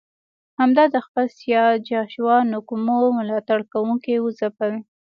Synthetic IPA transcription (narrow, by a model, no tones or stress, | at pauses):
hamd̪ɑd̪əxpəlsjɑd͡ʒɑʃwɑnʊkumoməlɑt̪aɽkawuŋkewəzapawi